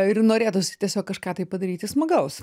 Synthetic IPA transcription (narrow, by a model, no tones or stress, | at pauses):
ɪrnoːɾʲeːt̪ʊsʲɪ̥t̪ʲiɛsʲoːkkːɐʃkɑːt̪ɐɪpɐd̪ɐɾʲiːt̪ʲɪsmɐɡɐʊs